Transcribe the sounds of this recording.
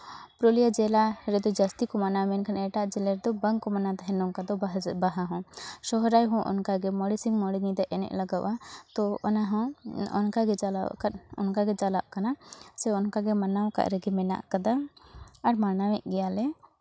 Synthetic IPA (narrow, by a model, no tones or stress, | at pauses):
pɾɔlijad͡ʒɛlaɾɛd̪ɔd͡ʒast̪ikɔmanamɛnkʰanɛʈaʔd͡ʒɛlɛɾɛd̪ɔbəŋkɔmanat̪aɦɛ̃nɔŋkad̪ɔɦbaɦaɦɔ̃ʃɔɦɾajɦɔ̃ʔɔ̰nkaɡɛmɔɽisiŋmɔɽiŋid̪ɛʔɛnɛ̰ʔlaɡaʔat̪ɔɔnaɦɔ̃ɔ̰nkaɡɛd͡ʒala̰ʔkat̪̚ɔ̰nkaɡɛd͡ʒalaʔkanasɛɔnkaɡɛmanawka̰ʔɾɛɡɛmɛna̰ʔkad̪aaɾmanamɛʔ̚ɡɛjalɛ